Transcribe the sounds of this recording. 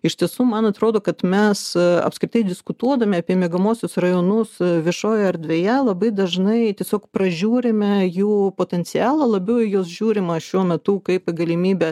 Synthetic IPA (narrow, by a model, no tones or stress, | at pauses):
ɪʃt̪ʲiɛsuːmɐnɐt̪ɾoːd̪oːkɐt̪mʲɛsɐ̰pskɾʲɪt̪ɐɪd̪ʲɪskʊt̪uɔd̪ɐmʲɪɐpʲiɛmʲeɛɡɐmoːsʲʊsrɐjoːnʊsʋʲɪʃoːjɛɐrd̪ʲʋʲeːjɛlˠɐbɐɪd̪ɐʒnɐɪt̪ʲiɛsʲoːkpɾɐʒʲuːɾʲɪmʲɛjuːpoːt̪ʲɛnʲsʲɪæːlˠɐlˠɐbʲɛʊjoːsʒʲuːɾʲɪmɐʃʲuɔmʲɛt̪ʊkɐɪpɡɐlʲɪmʲiːbʲɛ